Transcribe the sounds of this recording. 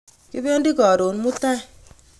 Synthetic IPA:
ki˦be˦ndi˦kɔ˨ɾo˨nmu˦ta˦˨

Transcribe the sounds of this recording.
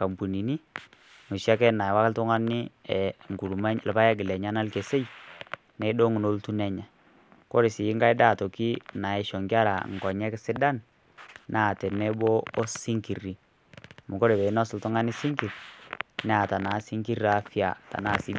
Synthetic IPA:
ka˨mbu˨ni˨ni˦ | mu˨ʃa˦kɛ˦na˨wa˦kltɔ˦ŋa˦ni˦ɛ˨ŋɡu˨lu˨ma˦ɲ˨lpa˦ja˦ɡɪ˨lɛ˨ɲa˦na˦lke˨se˦j | nɛ˨˦do˦ŋ˨no˦ltu˦nɛ˦ɲa˨ | ko˦ɾi˨sɪ˨ji˦ŋɡa˦jda˦˨tɔ˨ki˦na˨ɛ˨ʃɔ˨ŋɡa˦ɾa̰˨ŋɡɔ˨ɲɛ˦ksɪ˦da˦n | na˦˨tɛ˨nɛ˦boː˦si˦ŋki˨ri˨ | mu˨ko˦ɾɛ˨bɛ˨i˦nɔ˦sɪ˨ltɔ˦ŋa˦ni˦si˦ŋki˨rnɛ˦a˨ta˨na˨˦si˦ŋki˦ɾa˨˦fi˦a̰˨ta̰˨na˨˦˨si˦bi˦

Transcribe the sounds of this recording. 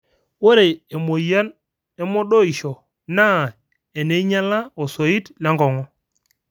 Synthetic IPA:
wo˦ɾe˨e˨mo˨ja˦n | ɛ˦mɔ˦ɗo˦i˨ʃɔ˨ | na˦˨ | e˨ne˨i˦ɲa˦la˦o˨so˨i˦tla˦ŋɡɔ˨ŋɔ˦

